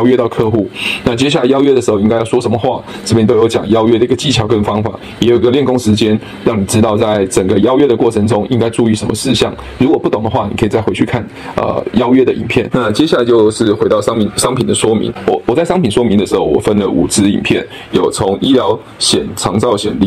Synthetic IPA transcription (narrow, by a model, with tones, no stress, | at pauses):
jʊɥɛ˥t̪ɑ˥˧ʊkʰɤ˥˧xu˥˩na˥˨t͡ɕjɛ˥ɕ̬ja˥˩la˧ɪjɑ˥ʊɥɛ˥də˨˩ʂɻ̩˧˥xo˧i˥ŋka˥ɪjɑ˥˩ʊʂwɔ˥ʂə˧˥nmə˧xwa˥˩ | t͡s̩ʰ˥˩jnt̪o˥jo˧˥ʊt͡ɕjɑ˨˩ŋjɑ˥ʊɥɛ˥d̪ə˨i˥ɡ̥ə˨t͡ɕi˥˩t͡ɕʰjɑ˧˥ʊkə˥˩nfɑ˥ŋfa̰˨˩˦ | jɛ˧˥ji˧˥ɡə˧ljɛ˥˩nkʊ˥ŋʂɻ̩˧˥t͡ɕjɛ˥n | ɻɑ˥˩ŋni˨˩ʈ͡ʂɻ̩˧˥t̪ɑ˥˧ʊt͡sa˥˩ɪʈ͡ʂə˨˩ŋɡə˦jɑ˥ʊɥɛ˥d̪ə˨kwɔ˥˩ʈ͡ʂʰə˧˥ŋʈ͡ʂʊ˥ŋʔi˥ŋka˥ɪʈ͡ʂu˥˧y˥˩ʂə˧˥nmə˧ʂɻ̩˥˧ɕɑ̰˥˩ŋ | ɻu˧˥kwɔ˨˩pu˥t̪ʊ˨˩ŋd̪ə˩˦xwa˥˩ni˨˩kʰə˧˥˨t͡sa˥˩ɪwe˧˥ɪt͡ɕʰy˥˧kʰa˥˩n | ə̰˧˩jɑ˥ʊɥɛ˥d̪ə˨ʔḭ˨˩npʰjɛ˥˩nna˥˨t͡ɕjɛ˥ɕja˥˩la˧˥t͡ɕo˥˧ʊʂɻ̩˥˩xwe˧˥ɪt̪ɑ˥˩ʊɑ˥ŋpi˨˩nʂɑ˥ŋpʰi˨nd̪ə˦ʂwɔ˥mḭ˧˥ŋwɔ˨˩˦wɔ˨˩t͡sa˥ɪʂɑ˥ŋpʰi˨nʂwɔ˥mi˧˥ŋd̪ə˨ʂɻ̩˧˥xo˥˩ʊwɔ̰˨˩fə˥nlə˨ʔṵ˨˩t͡sɹ̩˥ḭ˨˩npʰjɛ˥˩n | jo˨˩ʊt͡sʰo˧˥ŋi˥ljɑ˧˥ʊ | ɕjɛ˨˩nʈ͡ʂʰɑ˧˥ŋt͡sɑ˥˩ʊɕjɛ̰˨˩nlḭ˥˨